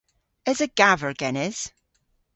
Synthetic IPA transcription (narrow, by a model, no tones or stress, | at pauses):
ɪzəɡ̥avəɹɡ̥ɛnɪz̥